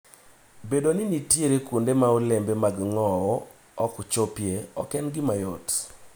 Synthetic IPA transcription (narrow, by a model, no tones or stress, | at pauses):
bedonɪnitjeɾekundemaolembemaɡŋɔɔ | ɔkt͡ʃopjeɔ̰kɛnɡɪmajot